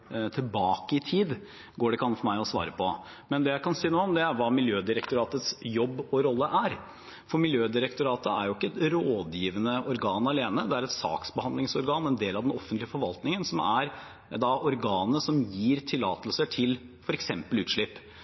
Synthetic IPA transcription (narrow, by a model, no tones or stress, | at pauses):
t̪ʰɪlbɑːkəɪt̪ʰiːd̪ | ɡoːɖɛkʰɑnːfɔɾmæɪɔsʋɑ̰ːɾəpʰɔ | mɛnd̪ɛjæɪkʰɑnsiːnoːɔmd̪ɛæɾʋɑːmɪljøːd̪ɪɾɛk̚t̪ʊɾɑːt̪ət̪sjɔbːɔɾɔlːəʔæɾ | fɔɾmɪljøːd̪ɪɾəkt̪ʊɾɑːt̪əæ̰ɾjʊɪkːəɛt̪ɾoːd̪jiːʋənəɔɾɡɑːnɑleːnəd̪ɛæɾɛt̪sɑ̰ːksbəhɑnd̪lɪŋsɔɾɡɑːnɛnd̪eːlɑʋd̪ɛnɔfːənt̪lɪəfɔɾʋɑlt̪nɪŋənsɔmæɾ | d̪ɑʔɔɾɡɑːnəsɔmjiːɾt̪ʰɪlːɑːt̪əlsəʈʰɪl | fɔɾɛksɛmpəlʉːt̪ʂɭɪpː